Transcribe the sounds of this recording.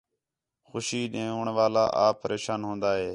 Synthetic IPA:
xʊʃiːɗẽːʊːɳʋaːla̰ːʔaːpːəɾeːʃaːnɦõːnd̪aːɦeː

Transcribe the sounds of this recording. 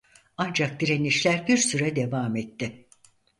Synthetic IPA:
and͡ʒak̚d̪iɾeniʃlʲæɾbiɾsyɾɛd̪e̞vaːmɛt̪ːɪ

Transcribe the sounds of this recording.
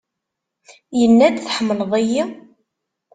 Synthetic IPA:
jənːæd̪θħəmːləðˤæjːi

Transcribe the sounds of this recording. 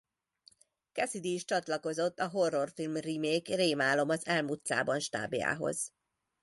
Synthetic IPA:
kɛsid̪iːʃt͡ʃɒt̪lɒko̞zo̞t̪ːɒɦo̞rːo̞rfilmrimeːkreːmaːlo̞mɒzɛlmut̪sa̰ːbɒnʃt̪a̰ːbija̰ːɦo̞̰z̥

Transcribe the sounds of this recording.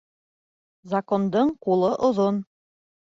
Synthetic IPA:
zakond̪ɤɴqulˠɤʔŏðon

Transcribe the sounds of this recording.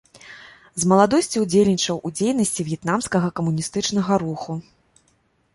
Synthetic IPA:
zmɐlˠad̪ɔsʲt͡sʲiud͡zʲelʲnʲit͡ʂɐwud͡zʲejnɐsʲt͡sʲivjɛt̪namskɐɣɐkɐmunʲist̪ɨt͡ʂn̪ɐɣɐɾuxu

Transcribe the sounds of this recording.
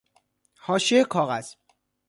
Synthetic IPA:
hɒːʃekʰɒːɣæz̥

